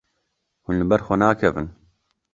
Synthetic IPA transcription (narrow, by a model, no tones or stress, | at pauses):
hunlɨbɛɾxʷɛnaːkʰɛvɨ̰n